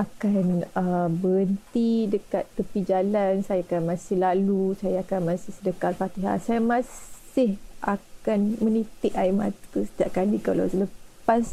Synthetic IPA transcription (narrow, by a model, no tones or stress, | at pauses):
akanəbəɾənt̪idəkat̪ːəpid͡ʒalansajakanmãsɪhlalusajaːkanmãsɪhsədəkat̪̚fat̪iɦa̰hsajamãs | ɪhʔa̰kanmə̃nit̪ɪʔaima̰t̪k̪usə̥t̪iaʔkalika̰la̰wsələpas